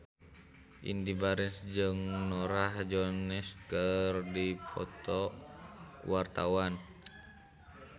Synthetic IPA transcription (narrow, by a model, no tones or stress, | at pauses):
ʔḭndibaɾɛnsd͡ʒɨŋnɔɾahd͡ʒɔnɛskərdipʰɔ̰t̪ɔ | kuwart̪awan